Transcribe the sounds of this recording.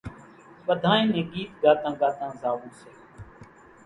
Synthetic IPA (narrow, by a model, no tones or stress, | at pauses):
ɓəd̪ʱãːẽːnẽːɠiːt̪ɡaːt̪ãːɡaːt̪ãːzaːʋuːseː